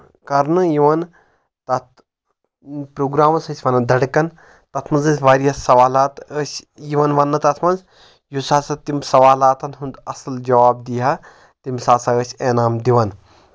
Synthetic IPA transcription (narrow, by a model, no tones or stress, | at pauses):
kɐɾnɨjiʋɐn | t̪ɐt̪ | pɾoːɡɾaːmɐsɐsʲʋɐnɐd̪ɐɽkɐn | t̪ɐt̪ʰmɐnzɐsʲʋaːɾijɐsɐʋaːlaːt̪əsʲjiʋɐnʋɐnːɐt̪ɐt̪ʰmɐnz | jusaːsɐt̪imsɐʋaːlaːt̪ʰɐnɦund̪ɐsɐld͡ʒɐʋaːb̚d̪iɦaː | t̪imsaːsaəsʲeːnaːmd̪iʋɐn